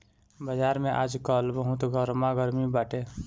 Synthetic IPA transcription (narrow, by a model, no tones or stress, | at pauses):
bəd͡ʒaːɾmẽʔaːd͡ʒkəlbəɦʊt̪ɡəɾmaɡəɾmibaːʈe